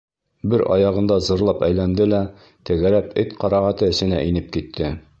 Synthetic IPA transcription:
bɘɾʔɒ̰jɑʁɤ̆nd̪ɑzɤ̆ɾlˠɑpæjlænd̪ɘlæ | t̪ɘ̆ɡæɾæpɘt̪qɒɾɑʁæt̪ɤɘ̆sɘ̆næ̰ʔinɘp̚kit̪ʰːɘ

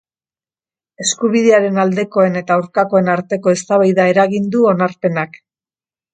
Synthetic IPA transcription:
e̞skuβiðe̞aɾe̞nald̪e̞ko̞e̞ne̞t̪aawɾkako̞e̞naɾt̪e̞ko̞e̞st̪aβajðae̞ɾaɣind̪uo̞naɾpe̞nak

